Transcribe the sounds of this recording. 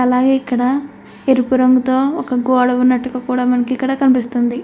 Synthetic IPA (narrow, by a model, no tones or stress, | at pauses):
ɐlaːɡe̞ːikːɐɽɐ | eɾipuɾɐŋɡut̪oːɔkɐɡɔːɽɐʋunːɐʈːuɡaːkuːɽaːmɐnɐkiikːɐɽɐːkɐnipist̪und̪i